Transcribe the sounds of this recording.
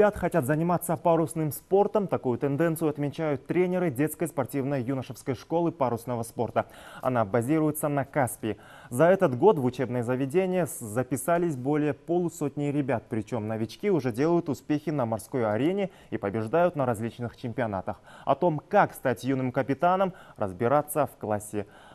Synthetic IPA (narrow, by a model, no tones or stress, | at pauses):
ɪbʲat̪xɐtʲat̪zənʲɪmat̪sːəpaɾʊsnɨmspo̞rt̪əmt̪ɐkujʊt̪ɛnd̪ɛnt̪sɨjʊɐt̪mʲɪt͡ɕæjʊt̪ːɾʲenʲɪɾɨdʲe̞t̪skəjspɐrtʲivnəjjunəʂəfskəjʂko̞lˠɨpaɾʊsnəvəspo̞rt̪əɐ̰nabɐzʲiɾʊjɪt̪sənɐkaspʲɪɪ | zɐɛt̪ət̪ɡo̞t̪vʊt͡ɕe̞bnəjəzəvʲɪdʲenʲɪjəzəpʲɪsalʲɪsʲbo̞lʲɪjəpolˠʊso̞t̪ʲnʲɪjɾʲɪbʲat̪̚pɾʲɪt͡ɕo̞mnəvʲɪt͡ɕkʲiʊʐɛdʲe̞lˠəjʊt̪ʊspʲexʲɪnəmɐrsko̞jɐɾʲenʲɪ | ipəbʲɪʐd̪ajʊt̪nəɾɐzʲlʲit͡ɕnɨxt͡ɕɪmʲpʲɪɐna̰t̪əxɐ̰t̪o̞mkakst̪atʲjunɨmkəpʲɪt̪anəmrəzbʲɪɾat̪sːəfklˠasʲːɪ